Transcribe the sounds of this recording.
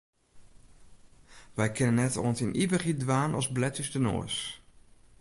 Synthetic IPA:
ʋɛjkʰɪnənːɛtɔ̰nsinʔivəχidʋaːnɔ̰sblɛtəstəno̰əs

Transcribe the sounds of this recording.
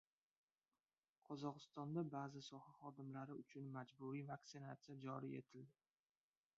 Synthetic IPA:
qʰɒzɒqɨst̪ɒnd̪abaːzɪsɒhaχɒd̪ɪmlaɾɪʊt͡ʃʰʊnmad͡ʒbʊɾijvak̚t̪sɪnat̪sɨjad͡ʒɒɾḭe̞̰t̪ʰɪld̪ɪ

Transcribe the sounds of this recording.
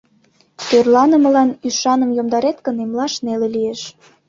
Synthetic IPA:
t̪ørlɑnə̆mə̆lɑnyʃɑnəmjomd̪ɑɾet̪kə̆nemlɑʃnelelijeʃ

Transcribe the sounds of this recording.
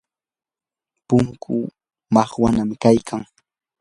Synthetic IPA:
pʊŋkʰʊ̰ | mɑχwanamkajkʰaŋ

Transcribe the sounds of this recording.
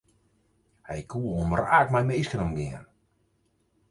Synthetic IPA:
hɛjkʰuːomɾaːk̚majmiskənɔmɡɪən

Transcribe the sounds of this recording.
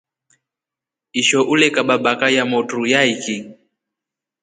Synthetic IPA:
iʃɔʔulɛkaɓabakajamɔtɾujaiki

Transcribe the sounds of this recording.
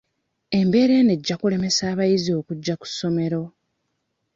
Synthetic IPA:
e̞mbe̞ɾe̞ne̞ɟːakule̞me̞saːβajizio̞ːkuɟːaku̥so̞me̞ɾo̞

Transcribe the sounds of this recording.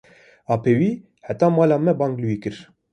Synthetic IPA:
ɑːpʰeːwiː | ħæt̪ɑːmɑːlɑːmɛbɑːŋɡlwiːkɨɾ

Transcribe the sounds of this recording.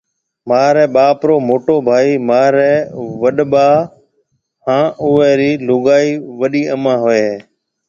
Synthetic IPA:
maːɾɛːɓaːpɾoːmoːʈoːbʱaːiːmaːɾɛːʋəɗɓaː | hãːʔʊːɛːɾiːlʊɠaːiːʋəɗiːəmãːɦoːeː

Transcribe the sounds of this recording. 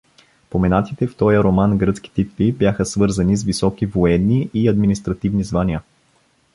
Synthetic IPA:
pomɛnat̪it̪ɛft̪ɔjəɾomanɡɾɤt̪skʲi̥t̪it̪vibjaxəsvɤɾzɐnizvisɔkivoɛnːiʔiɐd̪minist̪ɾɐt̪ivnizvanijə

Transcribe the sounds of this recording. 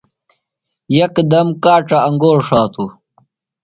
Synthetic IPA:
jɐkd̪ɐmkaːʈ͡ʂɐɐŋɡoːɾʂaːt̪u

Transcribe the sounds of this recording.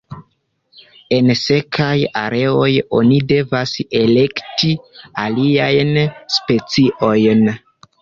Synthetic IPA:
e̞nse̞kʰaja̰ɾʔe̞o̞jo̞̰nide̞vase̞le̞ktialiajnspe̞t͡siʔo̞jn

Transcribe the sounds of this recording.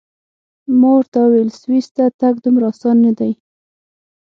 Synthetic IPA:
moɾt̪awelswist̪at̪aɡd̪umɾɑsɑnːad̪aj

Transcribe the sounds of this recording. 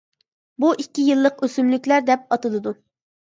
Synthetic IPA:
buʔikʲːijɨlˠːəqøsymlykʲlæɾd̪ɛp̚ɑt̪ɨlˠɨd̪u

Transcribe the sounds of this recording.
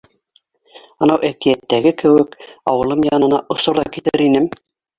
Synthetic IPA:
ɑ̆nɑwʔækijæt̪ːæɡɘkɘ̆wɘkɑ̰wɤ̆lˠɤmjɑnɤ̆nɑʔŏsŏɾðɑkit̪ɘɾinɘm

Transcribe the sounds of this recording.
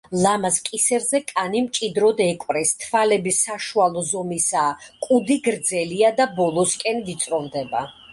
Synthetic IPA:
lˠamaskʼisɛɾzɛkʼanimt͡ʃʼid̪ɾɔd̪ɛkʼwɾɛst̪ʰvalɛbisaʃualˠɔzɔmisaːkʼud̪iɡɾd̪zɛliad̪abɔlˠɔskʼɛnd̪it̪sʼɾɔmd̪ɛba

